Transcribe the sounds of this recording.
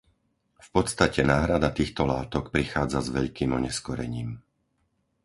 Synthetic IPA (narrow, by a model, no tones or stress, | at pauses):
fpɔt̪st̪acɛnaːɦɾad̪at̪iːxt̪ɔlaːt̪ɔkpɾixaːd͡zazʋɛʎkiːmɔɲɛskɔɾɛ̰ɲiːm